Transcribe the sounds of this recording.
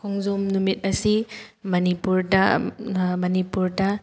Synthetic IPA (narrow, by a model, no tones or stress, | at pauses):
kʰɔŋzɔmnumit̚ɐsimɐnipuɾdɐ | mɐnipuɾdɐ